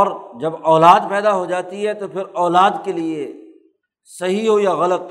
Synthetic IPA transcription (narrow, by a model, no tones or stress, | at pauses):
ɔːɾd͡ʒɐbɔːlaːd̪pɛːd̪aɦod͡ʒaːt̪iɦɛt̪opʰɪɾɔːlaːd̪kelie | sɐɦiɦojaɣɐlət̪